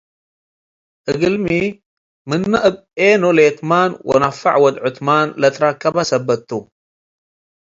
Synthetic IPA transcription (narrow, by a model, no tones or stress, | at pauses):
ʔɨɡɨlmi | mɨnːɨʔɨbʔenolet̪manwɐ̰nafːa̰ʕwɐd̪ʕʊt̪manlɐt̪ɾakːɐbasɐbɐt̪ːu